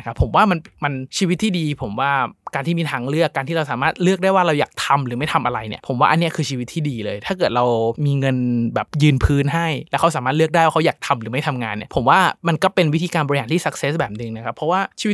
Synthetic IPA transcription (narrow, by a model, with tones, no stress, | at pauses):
kʰa˦˥pʰːo˨˩˦mwaː˥˩ma˧nma˧nt͡ɕʰiː˧wi˦t̪ʰːiː˥˩diː˧pʰo˩˦mwaː˥˩kaː˧nt̪ʰiː˥˩miː˧t̪ʰaː˧ŋɾɯ˥˩əkːaː˧nt̪ʰiː˥ɾa˧wsaː˩˦maː˥˩t̪̚lɯ˥˩ək̚da˥˩jwaː˥˩ɾa˧wjaː˨˩k̚t̪ʰa˧mɾɯː˩˦ma˥˩jt̪ʰa˧mʔa˧ɾa˧jnḭ˦˥˩pʰo˩˦mwaː˥˩ʔa˧nːi˦˥ɐkʰɯː˧t͡ɕʰiː˧wi˦˥t̪ʰːiː˥˩diː˧lɤː˧jt̪ʰaː˥˩k̬ɤ˨˩t̪̚ɾa˧wmiː˧ŋɤ˧nbɛ̰ː˨˩p̚jɯː˧npʰɯː˦˥nɦa˥˩jlɛː˦˥wkʰa˦˥saː˨˦maː˥˩t̪̚lɯ˥˩ək̚da˥˩jwaː˥˩kʰwjaː˨˩k̚t̪ʰa˧mɾɯː˩˦ma˥˩jt̪ʰa˧mŋa̰ː˧nːi˥˩pʰo˨˩˦mwaː˥˩ma˧nkɔː˥˩pe˧nwi˦˥t̪ʰiː˧kaː˧nbɔ˧ɾi˧haː˨˦nt̪ʰiː˥˩sa˦k̚se˦˥sbɛː˨˩p̚nɯ˨˧ŋna˦˥kʰa˦˥pʰːɾɔ˦˥waː˥˩t͡ɕʰiː˧w